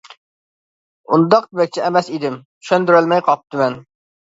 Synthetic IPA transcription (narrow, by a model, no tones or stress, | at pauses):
und̪ɑqd̪ɪbɛk̚ʲt͡ʃʰɛɛmɛsid̪ɪm | ʃønd̪yɾɛlmɛjqʰɑp̚t̪ɨmɛn